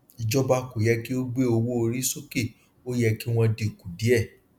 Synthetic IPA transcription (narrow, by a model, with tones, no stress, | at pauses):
i˨d͡ʒɔ˦ba˧ko˨jɛ˧˦ki˦o˦ɡ͡be˦o˧wo˦o˧ɾi˦so˦ke˦˨ | o˦jɛ˧ki˦w̃ɔ̃˧de˨ku˨di˨˦ɛ˦˨